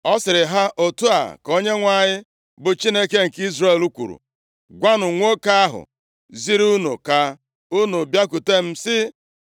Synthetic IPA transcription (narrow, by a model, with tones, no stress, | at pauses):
ɔ˦sɪ˨ɾɪ˨ɦa˦ʔo˨tu˦a̰˨ko˦ɲe˦ŋʷa˨ɲɪ˦ | bʊ˨t͡ʃi˦ne˦ke˦ŋ̩˨ki˦zre˦˨lu˦kʷṵ˨ɾṵ˨ | ɡʷa˦nʊ˨ŋʷo˦ka˦a˦ɦʊ̰˨ | zi˦ɾu˦nṵ˨ka˨ | u˦nu˨bja˦ku˨te˦m̩˦sɪ˦